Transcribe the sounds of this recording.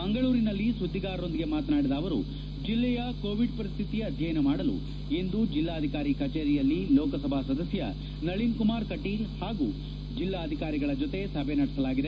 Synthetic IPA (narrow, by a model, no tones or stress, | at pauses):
mɐŋɡɐɭuːɾinɐlːisud̪ʱːiɡaːɾɐo̞nd̪iɡe̞maːt̪naːɽid̪aːʋɐɾṵ | d͡ʒilːɛjɐkoːʋiɖpɐɾist̪ʰit̪ijɐd̪ʱjɐjɐnɐmaːɽɐlṵ | e̞nd̪ud͡ʒilːaːɐd̪ʱikaːɾikɐt͡ʃeːɾijɐlːilɔːkɐsɐbʱaːsɐd̪ɐsjɐ | nɐɭinkumaːɾkɐʈːihaːɡu | d͡ʒilːaːd̪ʱikaːɾiɡɐɭɐd͡ʒot̪e̞sɐbʱenɐɽisɐlaːɡid̪e